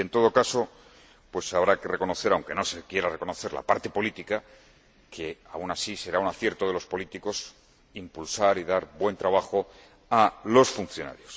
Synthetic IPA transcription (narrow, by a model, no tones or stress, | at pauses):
e̞nt̪o̞ð̞o̞kaso̞ | pwe̞saβ̞ɾake̞re̞ko̞noθe̞ɾawŋke̞no̞se̞kje̞ɾare̞ko̞no̞θe̞ɾla̰paɾt̪e̞po̞lit̪ika | kʰe̞a̰unasise̞ɾaunaθje̞ɾt̪o̞ð̞e̞lo̞spo̞lit̪iko̞s | impulsaɾiðaɾbwe̞nt̪ɾaβ̞axo̞ | alo̞sfunθjo̞na̰ɾjo̞s